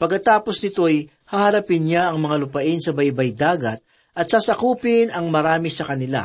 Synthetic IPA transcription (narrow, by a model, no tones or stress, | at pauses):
pɐɡkːɐt̪aːpo̞snɪt̪o̞j | hahɐɾɐpɪnɲaɐŋmɐŋalʊpɐʔɪnsɐbɐjbɐjd̪aːɡɐt̪̚ | ʔɐt̪̚sasɐkuːpɪnɐŋmɐɾaːmɪsɐkɐnɪla̰